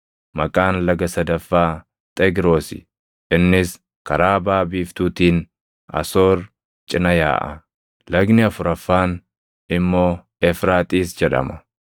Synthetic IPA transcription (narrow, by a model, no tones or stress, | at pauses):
mɐkʼaːnlɐɡɐsɐd̪ɐfːaː | t̪ʼɛɡɾo̞ːsɪ̰ | ʔɪnːɪs | kɐɾaːbaːbiːft̪uːt̪iːn | ɐ̰so̞ːɾ | t͡ʃʼɪnɐja̰ːʔɐ̰ | lɐɡnɪɐfʊɾɐfːaːn | ɪmːo̞ː | ɛfɾaːt̪ʼiːsd͡ʒɛᶑɐ̰mɐ